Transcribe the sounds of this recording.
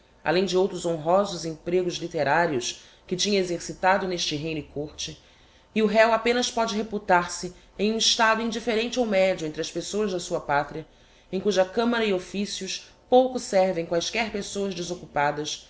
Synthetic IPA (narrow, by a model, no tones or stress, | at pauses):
a̰lẽj̃d͡ʒɪowt̪ɾʊzõɦɔzʊzẽpɾeɡʊzlit̪eɾaɾiʊs | kɪt͡ʃĩɲɐ̃ezeɾsit̪ad̪ʊneʃt͡ʃɪɦejnɪkoɾt͡ʃɪ | ɪʊɦɛwapẽnɐspɔd͡ʒɪɦeput̪aɾsɪẽj̃ũiʃt̪ad̪ʊĩd͡ʒifeɾẽnt͡ʃɪowmɛd͡ʒʊẽnt̪ɾɪɐspesoɐzd̪ɐsuɐpat̪ɾiɐ | ẽj̃kuʒɐkɐ̃mɐɾɐiofisjʊs | powkʊsɛɾvẽj̃kwajskɛɾpesowɐzd͡ʒɪzokupad̪ɐs